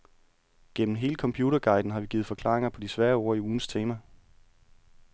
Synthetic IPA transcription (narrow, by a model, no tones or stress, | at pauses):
ɡ̥en̰mn̩ɦe̝ːləkʰɒ̽mpʰjuːɾɐɡ̥ɑ̈ɪd̥n̩ɦɑ̈ʋiɡ̥iːð̩ˠfɒ̽kʰlɑ̰̈ːʁeŋɐpʰɒ̽disʋæːɐoːɐ̰iuːn̩st͡sʰe̝ːmæ